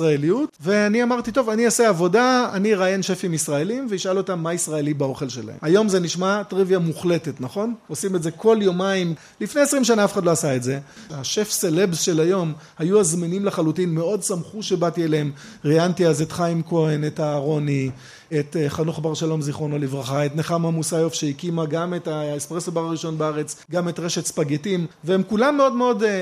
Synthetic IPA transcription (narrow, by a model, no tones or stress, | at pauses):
ʁaelijutve̞aniamaʁtito̞vaniaseavo̞daa̰niʁajenʃe̞fimisʁae̞limveiʃalo̞tamːaisʁaelibao̞χe̞lʃe̞la̰hemajo̞mze̞niʃmatʁivjamuχle̞te̞tnaχo̞no̞simezeko̞ljomaim | lifneesʁimʃanaafeχadloasaetze̞haʃe̞fselebsʃe̞lajo̞mhajuazminimleχalutinme̞o̞dsamχuʃe̞batieleem | ʁiantiazetχaimko̞enetaːʁo̞ni | etχanuχbaʁʃalo̞mziχo̞nalivʁaχaetneχamamusajofʃeikimaɡametaespʁesabaʁaʁiʃo̞nbeaʁe̞t͡sɡametʁe̞ʃetspaɡetimveemkulamːeo̞dmeo̞d